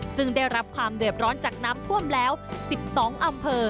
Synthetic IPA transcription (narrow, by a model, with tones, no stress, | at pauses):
sɯ˥˩ŋdaː˥˩jɾa˦˥p̚kʰwaː˧mdɯ˨˩ət̪̚ɾɔː˦˥nt͡ɕaː˨˩k̚naː˦˥mt̪ʰu˥˩əmlɛː˦˥wsi˨˩p̚sɔː˩˦ŋʔa˧mpʰɤː˧